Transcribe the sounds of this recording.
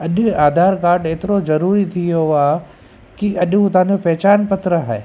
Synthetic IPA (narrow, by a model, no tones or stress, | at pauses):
ɐʄʊaːd̪ʱaːɾkaːɾɖeːt̪ɪɾozɐɾuːɾit̪ʰijoaːɦ | kiʔɐʄũt̪ɐɦãːɲd͡ʑopɛːt͡ɕaːnpɐt̪ɾəɦaːeː